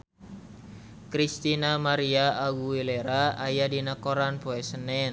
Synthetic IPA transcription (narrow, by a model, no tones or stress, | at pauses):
kɾist̪inamaɾiaaɡuwilɛɾaajadinakoɾanpoɛsənɛn